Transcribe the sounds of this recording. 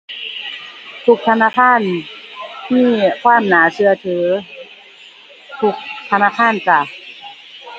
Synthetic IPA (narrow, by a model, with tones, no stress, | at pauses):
t̪ʰu˧˩k̚t̪ʰa˧naː˧˥˨kʰaː˧˥˨n | miː˧˥˩kʰwaː˧˥˩mnaː˨˦sɯ˧ɐt̪ʰɯː˩˦ | t̪ʰu˧˩k̚t̪ʰa˧naː˧˥˨kʰaː˧˥˨nsa˧˩